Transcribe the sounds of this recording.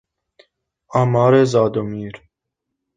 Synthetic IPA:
aːmɑːɾezɑːd̪omiːɾ

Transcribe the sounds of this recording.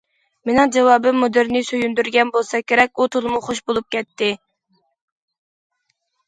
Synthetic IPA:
menɨŋd͡ʒɑwɑːbɨmːud̪ɪɾnɪsøjynd̪yɾɡʲɛnbolˠsɑkʲʰeɾɛkʲut̪ʰolˠmuχoʃbolˠup̚kʲʰɛt̪ːɪ

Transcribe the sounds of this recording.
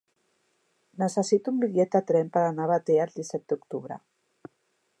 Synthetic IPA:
nəsəsit̪umbiʎɛt̪at̪ɾɛmpəɾanaβat̪eald̪isɛt̪̚d̪ukt̪uβɾə̰

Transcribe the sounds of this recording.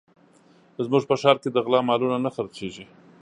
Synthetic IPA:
zmuʐpəʃɑɾked̪əɣlɑmɑlunanaxaɾt͡seʒi

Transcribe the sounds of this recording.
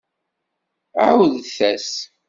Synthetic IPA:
aʕwðθæs

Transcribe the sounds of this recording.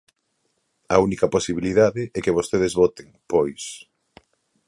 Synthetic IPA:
ɐunikɐposiβiliðaðɪʔɛkeβ̞ost̪eð̞ezβot̪eŋpojs

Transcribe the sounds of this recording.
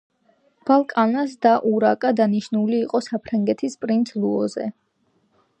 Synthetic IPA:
b̥alˠkʼanasd̪aʔuɾakʼad̪aniʃnuliːqʼɔsapʰɾaŋɡɛt̪ʰispʼɾint̪ʰluɔzɛ

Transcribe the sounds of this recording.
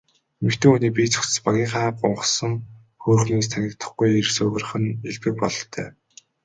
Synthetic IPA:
mĕkt̪ʰĕːŋuːniːk̚p̬ʲit͡sʰɵ̥ksə̥̆spaɣʲiːŋχaːpʊɴχsə̆ŋ | xuːrxniːs̬t̪ʰæŋʲɪ̆kt̪ə̥̆χɡujirsɵɣɘ̆rχɘ̆neɮtɘ̆k̚pɔɮɞ̆t̪ʰæ̰ː

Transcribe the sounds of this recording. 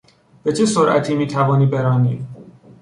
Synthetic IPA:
b̥et͡ʃʰe̞soɾʔæ̰t̪ʰiːmiːt̪ʰævɒːniːbeɾɒːniːd̪

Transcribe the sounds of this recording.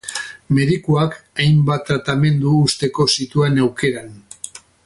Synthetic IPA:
me̞ðikuakajmbat̪ːɾat̪ame̞nd̪uːst̪e̞ko̞sit̪uenewke̞ɾan

